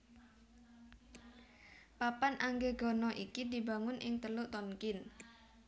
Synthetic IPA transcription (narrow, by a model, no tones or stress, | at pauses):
papanʔaŋɡeɡɔnɔʔikidi̤baŋʊnʔɪŋt̪əlʊʔt̪ɔŋkɪn